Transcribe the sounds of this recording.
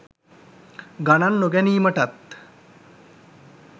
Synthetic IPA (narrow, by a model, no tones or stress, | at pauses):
ɡananːoɡɛniːməʈɐt̪